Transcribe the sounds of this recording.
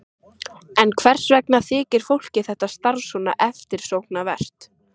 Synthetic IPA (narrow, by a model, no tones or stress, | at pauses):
ɛnkʰvɛr̥svɛknaθɪːcɪɾ̥fowl̥cɪθɛht̪ːast̪aɾsɔna̰ʔɛft̪ɪɾ̥sowknavɛr̥t̪